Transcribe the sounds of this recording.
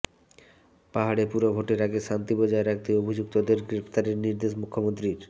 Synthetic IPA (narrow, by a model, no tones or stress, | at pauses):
paɦaɽepuɾobʱoʈeɾaɡeʃant̪ibod͡ʑaeɾak̚ʰt̪iobʱid͡ʑuk̚t̪od̪eɾɡɾeft̪aɾeɾniɾd̪eʃmukʰːomont̪ɾiɾ